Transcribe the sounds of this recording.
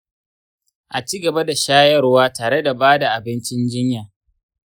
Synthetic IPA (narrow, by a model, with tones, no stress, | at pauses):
ʔa˨t͡ʃiː˦ɡɐ˨ba˦da˨ʃaː˦jɐ˦rwaː˦taː˨ɽe˦da˨baː˦da˨ʔa˨bɪ˦nt͡ʃɪ˦nd͡ʒɪ˦ɲjaː˨